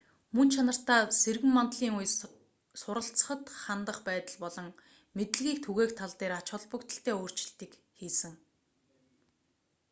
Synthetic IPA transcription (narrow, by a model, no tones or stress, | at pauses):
mɵnt͡ɕʰanə̆r̥t̪aːserɣɘ̆mːant̪ɮiːŋuj | sʊɾə̆ɬt͡sə̥̆χə̆t̪χant̪ə̆χpæːt̪ə̆ɮpɔɮɞ̆ŋ | met̪ɘ̆ɮɣiːkt̪ʰuɣeːkt̪ʰaɮt̪eːɾat͡ɕʊ̆ɮpə̆kt̪ə̆ɬt̪eːoːr̥t͡ɕɪ̆ɬt̪iːk | xiːsɘ̆ŋ